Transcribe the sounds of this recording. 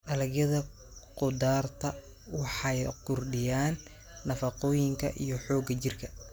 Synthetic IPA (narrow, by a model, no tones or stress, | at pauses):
ʔɐlɐɡjɐðɐ | qʊd̪aːrt̪ʰɐ | wɑħɑjqʊrɖɪjaːnː | ɐfɑqɔːjɪŋkʰɐ̰ʔijɞħɔːɡɐt͡ʃɪrkʰɐ